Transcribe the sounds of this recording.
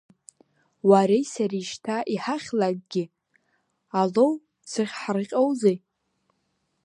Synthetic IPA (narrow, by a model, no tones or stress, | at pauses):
waɾejsariʃtʰaʔiħaχʲlakʼɡ̥ʲɪ | alow | t͡sʰɨχʲħarqʲʼowzej